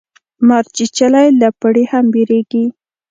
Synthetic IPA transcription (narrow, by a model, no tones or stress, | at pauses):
maɾt͡ʃit͡ʃalajlapaɽehambeɾeɡi